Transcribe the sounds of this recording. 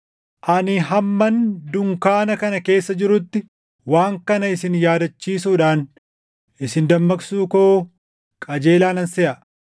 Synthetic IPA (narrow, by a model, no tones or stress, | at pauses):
ʔɐnɪɦɐmːɐnd̪ʊŋkaːnɐkɐnɐke̞ːsːɐd͡ʒɪɾʊt̪ːɪ | waːŋkɐnɐɪsɪnjaːd̪ɐt͡ʃːiːsuːᶑaːn | ʔɪsɪnd̪ɐmːɐksuːkoː | kʼɐd͡ʒe̞ːlaːnɐnsɛʔɐ